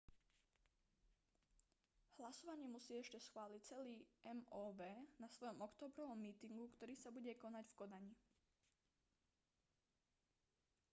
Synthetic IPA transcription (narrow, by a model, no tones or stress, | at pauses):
hlasɔʋaɲɪɛmusiːɛʃcɛsxʋaːlict͡sɛliːʔɛmɔːʋɛːnasʋɔjɔmɔkt̪ɔːbɾɔʋɔmːiːt̪iŋɡukt̪ɔɾiːsabuɟɛkɔnaɟfkɔd̪aɲi